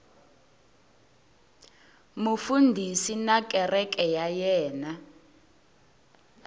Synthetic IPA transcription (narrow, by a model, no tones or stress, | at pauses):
mufundʱisinakʼɛrɛkʼɛjajɛːna